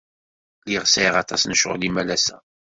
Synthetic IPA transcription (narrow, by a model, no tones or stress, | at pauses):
liʁsæiʁɑt̪ˤɑsnəʃʁlimælæsæ